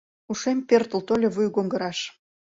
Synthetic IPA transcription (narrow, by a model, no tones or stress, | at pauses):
uʃempert̪ə̆lt̪olʲeβujɡoŋɡə̆ɾɑʃ